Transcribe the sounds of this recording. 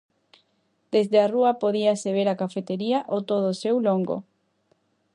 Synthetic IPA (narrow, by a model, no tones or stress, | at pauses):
d̪̥ezðearuɐpoðiaseβ̞eɾakafet̪eɾiaʔot̪oð̞osewloŋɡo̰